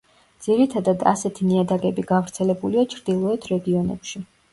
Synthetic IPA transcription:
d̪ziɾit̪ʰad̪ad̪a̰sɛt̪ʰiniad̪aɡɛbiɡavɾt̪sʰɛlɛbuliat͡ʃʰɾd̪ilˠɔɛt̪ʰɾɛɡiɔnɛ̰pʃi

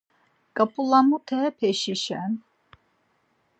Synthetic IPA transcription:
kʼapʼulamut̪ʰɛpʰɛʃiʃɛn

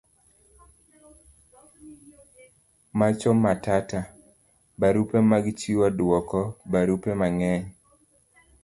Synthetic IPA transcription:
mat͡ʃɔmːatata | baɾupemaɡt͡ʃiwadwɔkɔbaɾupemaŋɛɲ

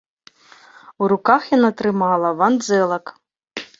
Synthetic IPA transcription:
uɾukaxjanat̪ɾɨmalˠɐvand̪zɛlˠɐk

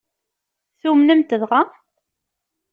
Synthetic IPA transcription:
θumnəmt̪əðʁa

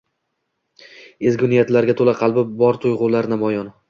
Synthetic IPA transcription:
ezɡʲʊnijat̪laɾɡʲat̪ʰolaqʰɑlˠbɪbɒɾt̪ʰojʁʊlaɾnamɒjɒn

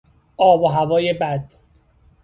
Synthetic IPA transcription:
ʔɒːboɦævɒːjebæd̪̥

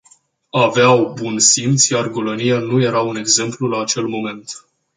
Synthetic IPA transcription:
aveawbunsimt̪sjarɡolonijanuje̞ɾaune̞ɡze̞mplulaːt͡ʃe̞lmo̞me̞nt̪

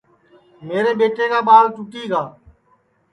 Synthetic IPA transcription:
meːɾeːɓeːʈeːkaːɓaːlt͡ʃʊʈiːɡaː

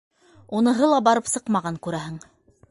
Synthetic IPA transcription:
unɤ̆ɦɤlˠɑbɑɾɤpsɤqmɑʁɑŋkʉɾæɦɘŋ

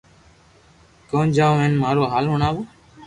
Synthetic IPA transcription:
kõːnd͡ʒãːʋẽːnmaːɾoːɦaːlɦʊɳaːʋoː

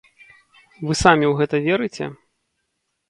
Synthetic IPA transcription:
vɨsamʲiwɣɛt̪ɐvʲɛɾɨt͡sʲɛ̰

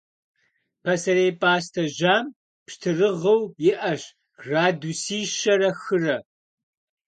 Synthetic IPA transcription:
pʰɐsɐɾejpʼaːstʰɐʒaːm | pʃtʰɨrɨʁɐwjɪʔɐɕ | raːdusiːʃɐɾɐxɨrɐ

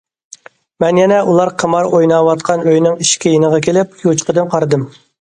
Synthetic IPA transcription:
mɛnjɛnɛʔulˠɑɾqʰəmɑɾojnɑwɑt̪̚qʰɑnøjnɪŋiʃkʲɛjenəʁɑkʲʰelɪp̚ut͡ʃqʰəd̪ɨmqʰɑɾɨd̪ɨm

